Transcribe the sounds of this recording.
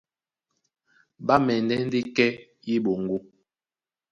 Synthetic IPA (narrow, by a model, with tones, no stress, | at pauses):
ba˦mɛ˨ndɛ˦n̩˦di˦kɛ˦ji˦ɓo˨ŋ˨ɡu˦